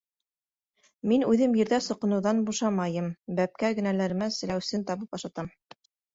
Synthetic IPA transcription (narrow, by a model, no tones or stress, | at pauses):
minʉðɘmjɘ̆ɾðæsŏqɤ̆nɤ̆wðɑnbuʃɑmɑjɤmbæp̚kæɡɘ̆nælæɾɘ̆mæsɘ̆læwsɘnt̪ɑβɤpɑʃɑt̪ɑm